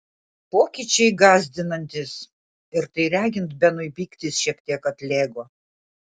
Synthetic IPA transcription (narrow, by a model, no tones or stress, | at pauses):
poːkʲit͡ʃʲɛɪɡɑːzʲd̪ʲɪnɐnʲt̪ʲɪs | ɪɾt̪ɐɪɾʲæːɡʲɪnt̪bʲɛnʊɪpʲiːkt̪ʲɪsʃʲiɛkt̪ʲiɛkɐt̪ʲlʲeːɡoː